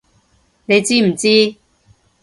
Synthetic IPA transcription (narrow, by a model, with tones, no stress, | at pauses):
ne˨˧jt͡siː˥m̩˨˩t͡siː˥